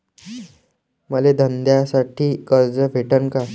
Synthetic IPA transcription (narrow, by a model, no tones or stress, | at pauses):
məled̪ʱənd̪jasaʈʰiːkəɾd͡zəbʱeʈənka